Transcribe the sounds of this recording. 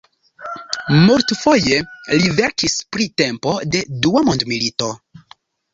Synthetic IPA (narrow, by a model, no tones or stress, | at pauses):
muɾtfo̞je̞live̞ɾkispɾite̞mpo̞de̞duamondmilito̞